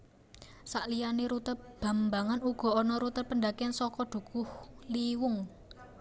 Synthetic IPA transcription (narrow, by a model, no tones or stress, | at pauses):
saʔlijaneɾut̪ət̚b̥a̤mbaŋanuɡ̥ɔ̤ɔnɔɾut̪əpəɳd̪akɛnsɔkɔɖ̪̥ṳɡ̥ʊhliwʊŋ